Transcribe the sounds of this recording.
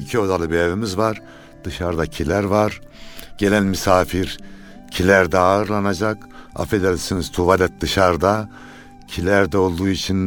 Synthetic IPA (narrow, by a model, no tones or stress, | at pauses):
icʰio̞d̪alˠɯbeevimizvaɾ̥ | d̪̥ɯʃaɾd̪acʰilʲæɾvaɾɟe̞lʲænmysaːfiɾ | cʰilʲæɾd̪ɛaɯɾlˠanad͡ʒak | a̰fed̪ɛlʲsiniz̥t̪ʰuvad̪ʲɛt̪̚d̪ɯʃaɾd̪a | cʰilʲæɾd̪ɛo̞lˠd̪uːit͡ʃʰin